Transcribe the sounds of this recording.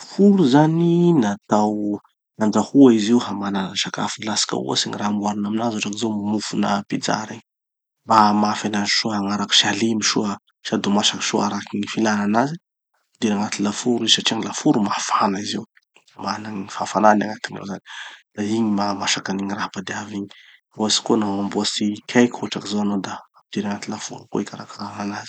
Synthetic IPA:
fuɾuzaninat̪aw | nand͡zahuaiziwhamananaʃaka̰filasḁka̰ṵa̰siŋiraːmuaɾinaminazoʈ͡ʂaŋizomamufunə̰pid͡za̰ɾiɲ | bamafanaziʃuɦaŋaɾaku̥ʃalimiʃuə | siad̪omaʃakʃoaɾakiŋifilananazi | apid̪iɾaŋat̪ilafuɾisaʈ͡ʂiaŋilafuɾumafanaiziw | manaŋiifafananaŋat̪inḛzani̥d̪̥aiɲimamaʃakaniɲirapad̪eaviɲi | oasi̥konaambuasikʰʲajkʲuʈ͡ʂakizowanod̪aːmid̪̥iɾaŋat̪ilafṵɾuko̰ikʲaɾakaɾananazi̥

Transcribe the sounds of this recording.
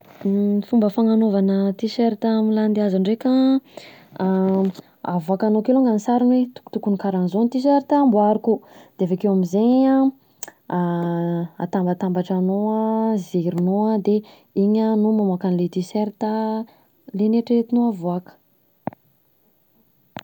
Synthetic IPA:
fumbəfaŋanovanət̪iseɾt̪amiland̪eazaɳɖ͡ʐeka | avuakanokelaŋɡanisaɾunwet̪u̥ku̥t̪ukunikaɾanzonit̪is̬eɾit̪ambuaɾukud̪̥eavekewamizeɲa | a̰t̪ambat̪ambaʈ͡ʂanoziɾinoəd̪e | iɲanumamakanilet̪iseɾt̪a | leneʈ͡ʂet̪inoavuakə̥

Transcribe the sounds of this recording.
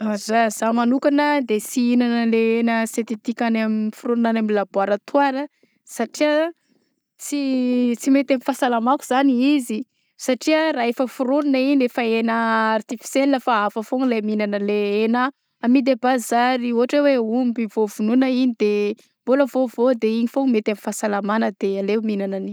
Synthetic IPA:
azaz̥amanukanəd̪esiinanəleenəset̪it̪ikanaminfuɾunnanamilabaɾat̪uaɾə | saʈ͡ʂiə | t͡sit͡simet̪amifasalamakuz̥aniizi | saʈ͡ʂiəraefəfuɾununəiɲefəenəart̪ifi̥seniləfaafəfoŋleminanəleenaː | mid̪ebazaɾiuɦaʈ͡ʂeweumbivovununəiɲid̪e | mboləvovod̪eiɲifoŋmet̪amifasalamanəd̪ealeminanani

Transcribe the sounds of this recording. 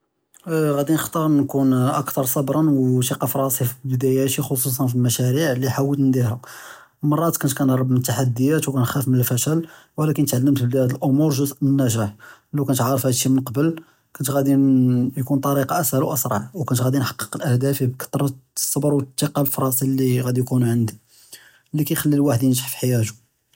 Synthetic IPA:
ɣæd̪inəxt̪ˤɑɾˤnkunʔəkt̪ɑɾˤsˤɑbɾˤɑnwʃiqɑfɾˤɑsˤifibəd̪æjæt̪ixos̬us̬ˤɑnfilmæʃæɾiʕliħawːəlt̪nənd̪iɾæ | mɑrˤːɑt̪kʊnt̪kænɾˤɑbmənət̪ːaħad̪ːəjæt̪wkænxæfmənəlfæʃælwlækənət̪ʕalːəmt̪ibəlææd̪əlʔomuɾˤʒʊzʔənːæʒaħlæwkænət̪ʕɑɾˤəfhæd̪ʃːimənqɑbəl | kʊnt̪ɣæd̪injkunt̪ˤɑɾiqɑʔəsælwʔəsɾˤɑ̰ʕwkænət̪ɣæd̪inħɑ̥qːə̥qəlʔəhd̪æfibkɑ̥t̪ːˤɾˤɑ̥sˤːɑbəɾwət̪ːiqɑlfɾˤɑsilːiɣæd̪ijkunʕənd̪i | lːikæjxælːilwaħəd̪jənʒaħfi̥ħjæʒu̥

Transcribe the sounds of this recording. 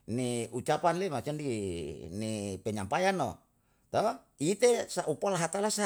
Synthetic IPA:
niut͡ʃapanlemat͡ʃandinipɛɲampajano | t̪ɔ | it̪esaʔupalaɦat̪alasa

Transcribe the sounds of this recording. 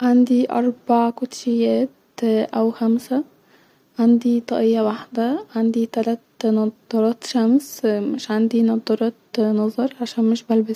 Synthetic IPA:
ʕand̪iʔɑ̰ɾˤbaʕkʊt̪ʃejːæːt̪ | ʔæwxæmsæ | ʕand̪it̪ˤɑ̰ʔejːæwaħd̪æʕand̪it̪ælæt̪nɑd̪ˤːɑɾˤɑːt̪ʃæmsmɪʃʕand̪inɑd̪ˤːɑɾˤɑːt̪nɑzˤɑɾˤʕaʃæːnmeʃbælbæs

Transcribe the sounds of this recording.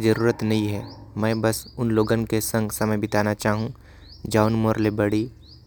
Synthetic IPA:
d͡ʒɐɾuːɾət̪nɐɦĩɦɛːmɛ̃ːbɐsʊnloːɡə̃nkesɐ̃ŋɡsɐməjbɪt̪aːnat͡ʃaːɦũ | d͡ʒaːʊnmoːɾlebɐɽiː

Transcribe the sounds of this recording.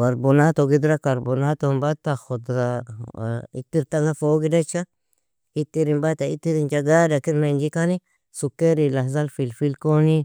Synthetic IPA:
kaɾbonat̪oɡid̪ɾakaɾbonat̪ombat̪axot̪a | it̪iɾt̪aŋafoɡidet͡ʃa | it̪iɾimbat̪ait̪iɾind͡ʒaɡadakiɾmand͡ʒikani | sukeɾilazalfilfilkoni

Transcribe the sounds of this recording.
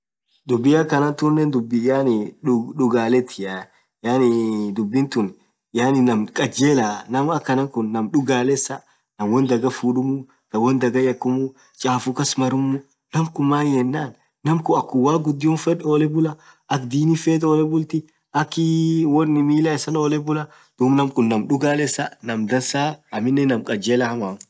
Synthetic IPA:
d̪ʊbːɪɐkːɐnɐt̪ʊnːɛnd̪ʊbːɪjaːnɪɗʊɡaːlɛt̪ʰɪa | jaːnɪd̪ʊbːɪnt̪ʊn | jaːnɪnɐmkʼɐd͡ʒeːlanɐmɐkːɐnɐkʊnːɐmᶑʊɡaːlɛsːɐ | nɐmwɔnd̪ɐɡɐfuːᶑʊmʊ | t̪ɐwɔnd̪ɐɡɐjɐkːʊmʊ | t͡ʃʼaːfʊkɐsmɐɾʊmːʊ | nɐmkʊmːaːnjɛnːaːnː | ɐmkʊɐkːʊwaːɡʊd̪ːɪʊnfɛᶑoːlɛbʊlɐ | ʔɐkd̪iːnɪfɛːt̪ʼoːlɛbʊlt̪ɪ | ʔɐkːɪwɔnːɪmiːlɐɪsɐnoːlɛbʊlɐ | d̪̥umnɐmkʊnːɐmɗʊɡaːlɛsɐnɐmd̪ɐnsaːɐmɪnːɛnɐmkʼɐd͡ʒeːlɐhɐmaːm

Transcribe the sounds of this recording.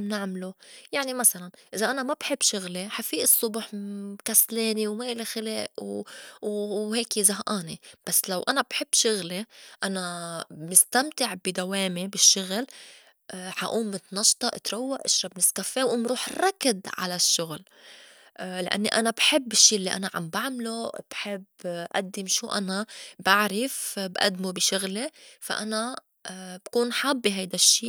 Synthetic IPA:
nɪʕmlujaʕnimasalanʔɪzaʔanamabħɪbːʃʊɣleħafiːʔɨsˤːʊbħkasleːniwmaʔɪlexɪleːʔwwheːkzaɦʔaːnib̥asːlawʔanabħɪb̥ːʃʊɣleʔanamɪst̪amt̪ɪʕbid̪aweːmibɪʃːʊɣl | ʔħa̰ʔuːmːʊt̪nɑʃt̪ˤɑʔɪt̪ɾˤawːaʔɪʃɾˤɑbnɪskafewɪmɾuːħrˤːɑkːɪd̪ʕa̰laʃːʊɣl | ʔlɪʔa̰nːiʔanabħɪbːɪʃːiːʔlːiʔa̰naʕa̰mbaʕmlob̥ħɪbːʔa̰d̪ːɪmʃuːʔanabaʕɾɪfbʔa̰d̪ːmubɪʃʊɣlefa̰ʔana | b̥kuːnħabːiɦajd̪aʃːiː

